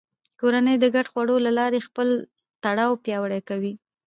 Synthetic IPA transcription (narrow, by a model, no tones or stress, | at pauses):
koɾanəjd̪əɡaʈxwaɽolalɑɾexpəl | t̪aɽɑwpjɑwəɽakawi